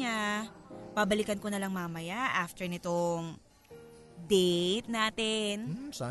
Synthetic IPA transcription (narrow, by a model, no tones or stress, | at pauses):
a | pabɐlɪkɐnkonɐlɐŋmaːmɐjaʔaft̪ɛɹnɪt̪oŋ | d̪ejt̪naːt̪ɛnsa